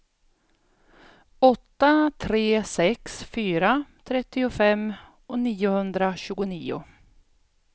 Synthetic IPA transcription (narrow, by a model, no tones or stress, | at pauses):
ɔt̪ːat̪ʰɾeːsɛksfyːɾat̪ʰɾɛt̪ːɪʊfɛmː | ɔniːʊhɵnd̪ɾaɕʉ̟ːɡʊniːʊ̰